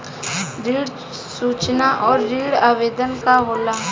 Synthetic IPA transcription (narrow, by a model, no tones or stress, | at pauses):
ɾiːɽ | suːt͡ʃnaʔɔːɾːiːɽaːʋeːd̪ənkaɦoːlaː